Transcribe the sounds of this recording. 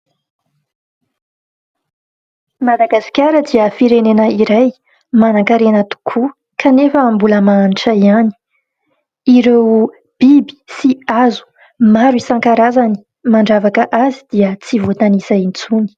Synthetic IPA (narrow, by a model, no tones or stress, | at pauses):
mad̪aɡasi̥kʲaɾəd̪iəfiɾenenəiɾaj | manaŋkaɾenət̪u̥kʰu | kʰanefəːmbuləmaniʈ͡ʂəiani̥ | iɾew | b̥ibi̥siazu̥ | maɾwisaŋkaɾazani̥ | maɳɖ͡ʐavakəʔazid̪̥iət͡sivot̪anisaint͡suni̥